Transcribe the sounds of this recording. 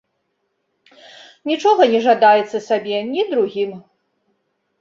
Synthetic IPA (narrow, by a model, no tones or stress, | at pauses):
nʲit͡ʂɔɣɐnʲɛʐad̪ajɛt̪sɐsabʲɛnʲid̪ɾuɣʲim